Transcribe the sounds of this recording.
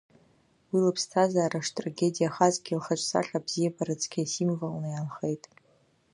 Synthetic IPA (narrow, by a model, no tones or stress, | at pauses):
wilɨpʰstʰazaːɾaʂtʼraɡʲe̞dʲijaχazɡʲilχat͡ʃʷʼsa̰χʲabz̥ijabʰaɾɨt͡sʰʼkʲʰasimvalnɨjanχejtʼ